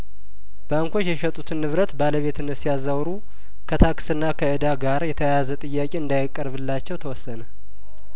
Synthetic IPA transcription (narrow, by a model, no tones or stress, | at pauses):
b̥aŋkʰʷo̞t͡ʃːjɛʃɛt̪ʼut̪ʰɨnːɨβɾət̪baləβe̞t̪ɨnəsijazːawɾu | kʰət̪ʰaksɨnːakʰəʔɨd̪aɡaɾjɛt̪ʰəjjazət̪ʼɨjːakʼe̞ɨnd̪ajɪkʼːəɾβɨlːat͡ʃːɛwt̪ʰəwɔsːənə